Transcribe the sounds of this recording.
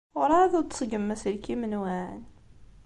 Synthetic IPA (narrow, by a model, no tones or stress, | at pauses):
ʊɾaðʊɾt̪ə̥sˤɡəmːæsəlkimənwæn